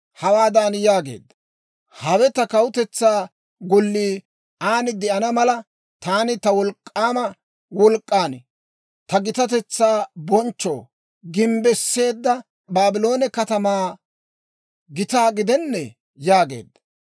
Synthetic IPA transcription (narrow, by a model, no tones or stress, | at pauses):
hɐwaːd̪aːnjaːɡe̞̰ːd̪ːɐ̥ | hɐwɛt̪ɐkɐwʊt̪ɛt͡sːaː | ɡɔlːiː | aːnɪd̪ɛʔɐnɐmɐlɐ | t̪aːnɪt̪ɐwɔlkʼːaːmɐ | wɔlkʼːaːn | t̪ɐɡɪt̪ɐt̪ɛt͡sːaːbɔnt͡ʃːo̰ː | ɡɪmbɛsːe̞ːd̪ːɐ | baːbɪlo̞ːnɛkɐt̪ɐmaː | ɡɪt̪aːɡɪd̪ɛnːɛ | jaːɡe̞̰ːd̪ːɐ̥